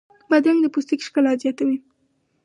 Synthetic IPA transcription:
bad̪ɾaŋd̪əpust̪ikʃkəlazjɑt̪awi

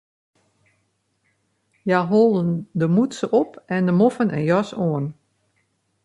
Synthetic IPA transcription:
jaɦolˠdəndəmutsəʔɔpɛndəmofənɛ̰njɔsoən

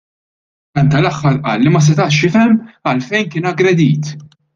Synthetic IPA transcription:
ɐnt̪ɐlɐxːɐɾʔɐ̰ːlːimɐs̬ɛt̪ɐʔʃɪfɛmːɐlfɛjnkɪːnɐɡɾɛd̪iːt̪

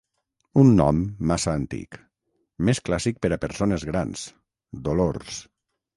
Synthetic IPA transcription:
unːɔ̰mːasaːnt̪ḭk | mesklasik̚pəɾapəɾsonezɣɾa̰ns | d̪oloɾs

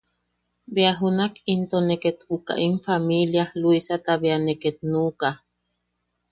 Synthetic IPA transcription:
beaɦunakint̪oneket̪uka̰ʔiɱfamiljahluisat̪aβeaneket̪̚nuːka

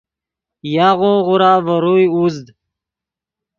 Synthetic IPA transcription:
jaːʁoʁʊɾaːvəɾujuzd̪

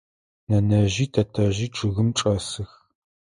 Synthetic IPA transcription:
nɐnɐʑiːtʰɐtʰɐʑiːʈ͡ʂʰɨɣɨmʈ͡ʂʼɐsɨx

